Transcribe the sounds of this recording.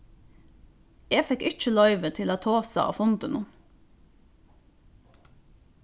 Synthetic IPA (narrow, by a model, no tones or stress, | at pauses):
eːfɛkɪt͡ʃəlœʏʋət̪ʰɪloːt̪ʰoːsɑ̰ʔɑ̰ːfʊnd̪ənʊn